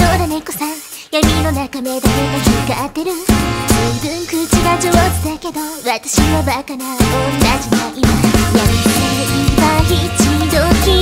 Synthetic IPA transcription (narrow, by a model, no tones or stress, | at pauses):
oɾanekosãŋ | jamʲinonakame̞d̪ak̪ek̪asɯɡaːt̪ːe̞ɾɯ̟d͡ʑobɯŋkɯt͡ɕiβad͡ʑoβosɨd̪ake̞d̪oβat̪ḁɕiβabakanaonːad͡ʑid̪aiɾokajamʲik̪anaibaçʲit͡ɕid͡ʑokʲi